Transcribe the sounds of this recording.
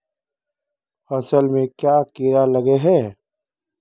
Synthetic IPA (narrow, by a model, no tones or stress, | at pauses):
fɐsəlmẽkjaːkiɾalɐɡeɦɛ